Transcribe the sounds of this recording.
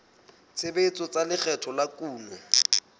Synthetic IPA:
t͡sʰebet͡sʼɔt͡salɪk͡xʰɛtʰɔlakuːmwɛ

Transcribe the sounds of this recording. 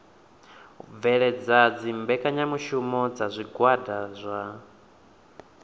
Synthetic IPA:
vɛɺɛd͡zad͡zimbɛkʼaɲamuʃumɔd͡zazʷiɡwadazʷa

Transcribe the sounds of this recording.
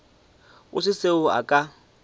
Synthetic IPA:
ʊsɪseʊa̰kʼa

